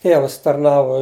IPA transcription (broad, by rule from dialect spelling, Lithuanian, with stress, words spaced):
ˈtʲeːʋɐs tɐrˈnɑːʋʊ